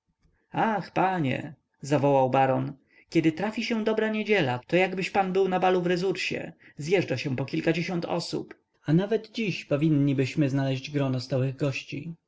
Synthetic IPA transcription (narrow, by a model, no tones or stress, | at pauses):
axpaɲɛ̰ | zavɔwawbaɾɔn | kʲɛd̪ɘt̪ɾafʲiɕɛ̃d̪ɔbɾaɲed͡ʑɛlat̪ɔjaɡbɘɕpanbɘwnabaluvɾɛzuɾɕɛ̰zʲjɛʐd͡ʐaɕɛpɔkʲilkad͡ʑeɕɔnt̪ɔ̰sṵp | anavɛd̪d͡ʑiɕpɔvʲinːibɘɕmɘznalɛʑd͡ʑɡɾɔnɔst̪awɘɣɡɔɕt͡ɕḭ